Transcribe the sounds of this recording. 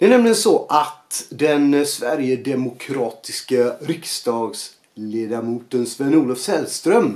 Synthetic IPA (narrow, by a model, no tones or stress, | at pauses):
d̪ɛæɳɛmlɪɡənsɔʔat̪d̪ɛnsvæɾjəd̪ɛmʊkʰɾɑːt̪ɪskaɾɪksd̪ɑːɡs | leːd̪aɾmuːt̪ənsvɛnuːlɔfsɛlst̪ɾœm